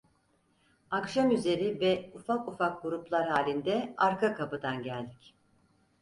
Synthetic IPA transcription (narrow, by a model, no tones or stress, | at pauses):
akʃamyze̞ɾivɛufakufakɡuɾuplˠaɾɦaːlʲind̪ɛaɾkakʰapɯd̪anɟælʲd̪ic